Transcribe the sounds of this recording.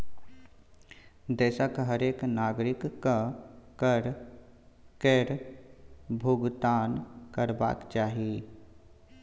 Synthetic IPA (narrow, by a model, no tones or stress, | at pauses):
d̪ɛːsakɦəɾeːknaːɡɾɪkːakəɾ | keɾ | bʱʊɡt̪aːnkəɾba̰ːkt͡ʃaːɦie